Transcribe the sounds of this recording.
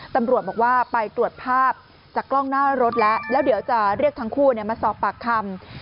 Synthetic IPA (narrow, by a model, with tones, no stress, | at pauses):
t̪a˧mɾu˨˩ət̪̚bɔː˨˩k̚waː˥˩pa˧jt̪ɾu˨˩ət̪̚pʰaː˥˩p̚ | t͡ɕa˨˩klɔ˥˩ŋnaː˥˩ɾo˦˥t̪̚lɛ˦˥ʔlɛː˦˥wdi˩˦əwt͡ɕa˨˩ɾi˥˩ək̚t̪ʰa˦˥ŋkʰuː˥˩ni˥˩əmaː˧sɔː˨˩pːaː˨˩kʰːa˧m